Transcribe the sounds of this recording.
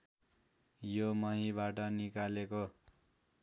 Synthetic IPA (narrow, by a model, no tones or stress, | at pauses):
jomʌɦĩbaʈʌnikaleko